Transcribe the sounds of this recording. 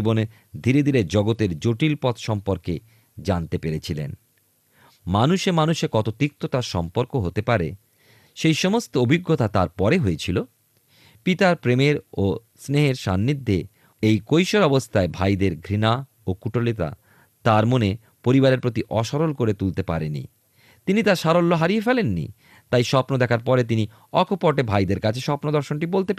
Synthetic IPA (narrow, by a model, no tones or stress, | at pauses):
ibone | d̪ʱiɾed̪ʱiɾed͡ʑɔɡot̪eɾd͡ʑoʈilpɔt̪ʃɔmpoɾke | d͡ʑant̪epeɾet͡ɕʰilḛn | manuʃemanuʃekɔt̪ot̪ik̚t̪ot̪aɾʃɔmpoɾkoɦot̪epaɾe | ʃejʃɔmost̪oobʱiɡːot̪at̪aɾpɔɾeɦoet͡ɕʰilo | pit̪aɾpɾemeɾo | sneɦeɾʃa̰nːid̪ʱːe | ejkojʃoɾɔbost̪ʰaebʱajd̪eɾɡʱɾina | okuʈʰolit̪a̰ | t̪aɾmone | poɾibaɾeɾpɾot̪iʔɔʃɔɾolkoɾet̪ult̪epa̰ɾḛnḭ | t̪init̪aɾʃaɾolːoɦaɾiefelenːḭ | t̪ajʃɔpnod̪ɛkʰaɾpɔɾet̪ini | ɔkʰopɔʈebʱajd̪eɾkat͡ɕʰeʃɔpnod̪ɔɾʃonʈibolt̪epa